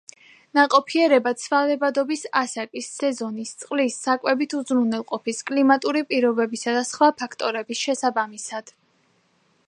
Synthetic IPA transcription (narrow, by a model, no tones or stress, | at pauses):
naqʼɔpʰiɛɾɛbat̪sʰvalɛbad̪ɔbisasakʼisːɛzɔnist̪sʼqʼlisːakʼwɛbit̪ʰuzɾunɛlˠqʼɔpʰiskʼlimat̪ʼuɾipʼiɾɔbɛbisad̪asχwapʰakʰt̪ʼɔɾɛbisʃɛsabamisad̪̥